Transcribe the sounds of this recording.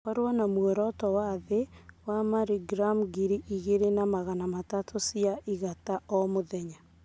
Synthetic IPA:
aɾwanamwɛɾɔtɔwaðewamaɾiɡɾamɡiɾiʔiɣeɾenamaɣanamatatʰosiaʔiɣataɔmoðɛɲa

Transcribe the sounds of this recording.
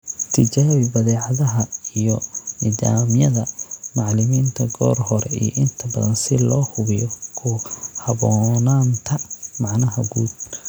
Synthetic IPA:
t̪ʰɪt͡ʃaːβɪbɐðɛːʕɑðɐɦɐijɔnidaːmjɐðɐmɑʕlɪmiːnt̪ʰɐɡɔːrhɔɾɛijɔʔɪnt̪ʰɐbɐðɐnsɪlɔːhʊβɪjɔkʰʊhɐβɔːnaːnt̪ʰɐmɑʕnɐɦɐ̰ɡuːd̪

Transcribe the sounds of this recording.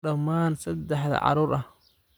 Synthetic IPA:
ɐmaːnsɐd̪ɛħðɐ̰ʕɑ̰ɾuːɾʔɐh

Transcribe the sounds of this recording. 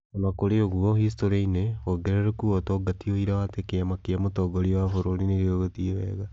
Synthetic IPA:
onakoɾeoɣuɔhistoɾeinewoɡeɾeɾokuɔtɔɡatioiɾawatekeamakiamotɔːɡoɾiowafoɾonineɾeoɣatiowɛ̰ɣa

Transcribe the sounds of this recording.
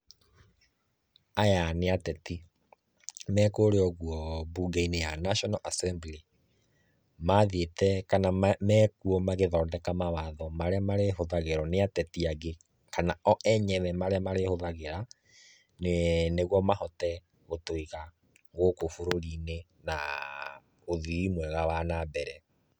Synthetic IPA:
ajaneatɛti | mɛkoːɾeɔɣuɔbuːɡainejanaʃɔnɔʔasɛmbli | maðetɛkanamɛkuɔmaɣeðɔːndɛkamawaðɔmaɾeamaɾeɦoðaɣeɾɔneatɛtiaɣe | kanaɔʔɛɲɛβɛmaɾeamaɾehoðaɣeɾa | neneɣwɔmahɔtɛ | ɣotoiɣa | ɣokofoɾoɾine | na | oðiimwɛɣawanabɛɾɛ

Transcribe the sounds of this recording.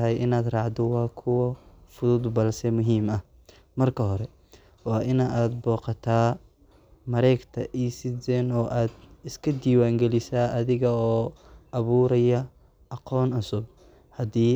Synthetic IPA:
ɦɛjʔɪnaːd̪rɑʕd̪ɔwɑːkʰʊwɐfʊðʊd̪bɐlsɛmʊɦiːmɐh | mɐrkʰɐɦɔɾɛ | wɑːʔɪnɐʔaːd̪̚bɔːqɑt̪ʰaː | mɐɾɛjɡt̪ʰɐʔiːsɪdɛːnɔːʔaːd̪ɪskʰɐd̪iːwaːŋɡɛlɪsaːʔɐðɪɣɐɔːʔɐβuːɾɐjɐ | ʔɑqɔːnʊsʊb̚ | hɐd̪iː

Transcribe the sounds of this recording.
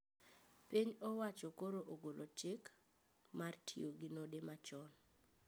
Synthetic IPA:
piɲɔwat͡ʃɔkoɾoʔoɡolʔot͡ʃɪk | martʰioɡinodemat͡ʃɔn

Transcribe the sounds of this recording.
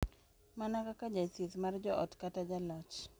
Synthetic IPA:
manakakad͡ʒasit̪mard͡ʒɔʔɔ̰tkatad͡ʒalɔt͡ʃ

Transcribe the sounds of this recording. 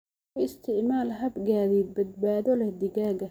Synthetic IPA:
ɪst̪ʰɪʕmaːlɦɐbɡaːðibɐd̪̚baːðɔlɛhd̪ɪɣaːɡɐ

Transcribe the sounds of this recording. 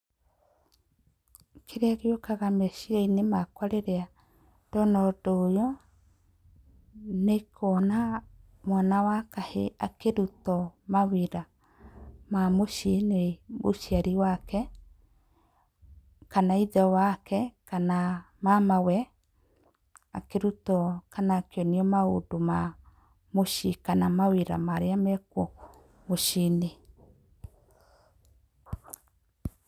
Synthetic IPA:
kʰeɾeaɣeokaɣamɛʃiainemakwaɾeɾea | d̥ɔnɔdɔːjɔ | nekʰɔna | mwanawakaheakeɾutɔmaweɾa | mamoʃenemoʃiaɾiwakɛ | kanaiðɛwakɛkana | mamawɛ | akeɾutɔkanakeɔneɔmaodoma | moʃikanamaweɾa̰maɾeamɛkwɔ | moʃine

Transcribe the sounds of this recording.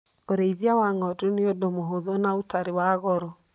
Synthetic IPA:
oɾeiðiawaŋɔtuneodomoɦoðɔnaotaɾewaɣɔɾɔ

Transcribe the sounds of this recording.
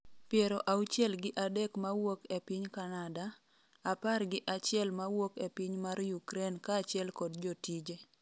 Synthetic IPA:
pjɛɾoʔaut͡ʃjɛlɡɪʔadekmawokepɪɲkanada | aparɡɪʔat͡ʃɪɛlmawokepɪɲmaɾjukɾenkat͡ʃjɛlkɔdd͡ʒɔtid͡ʒe

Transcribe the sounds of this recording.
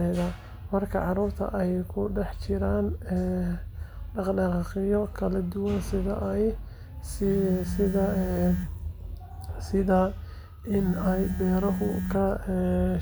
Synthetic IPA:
ɛðɐ | mɐrkʰɐʕɑɾuːrt̪ʰɐ̰ʔɛjkʰʊɖɛħt͡ʃʰɪɾaːnɛ | ɖɑqɖɑqɑqɪjɔkʰɐlɐd̪ʊwɐnsɪðɐʔj | ssɪðɐ | sɪða | ʔɪnɛjbɛːɾɐɦʊkʰɐ

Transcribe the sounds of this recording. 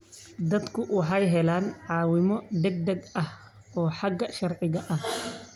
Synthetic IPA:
d̪ɐd̪kʰʊwʊħɑjɦɛlaːnʕaːwɪmɔɖ̪ɛɡ̚d̪ɐɡɐh | ɔːħaɡɐʃɐrʕɪɣɐʔɐh

